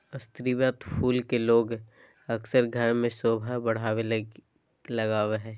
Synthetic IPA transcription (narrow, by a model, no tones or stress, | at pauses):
əst̪ɾiwaːt̪pʰuːlkeloːɡ | ɐksəɾɡʱəɾmẽsoːbʱəɦbɐɽ̤aːwe | lɐɡaːweɦɛ̃ː